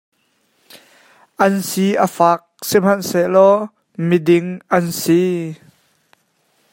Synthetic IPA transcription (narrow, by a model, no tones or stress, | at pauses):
ʔɐnsiʔəfaːk̚sim̥ɐnselɔ | midɪŋʔɐnsi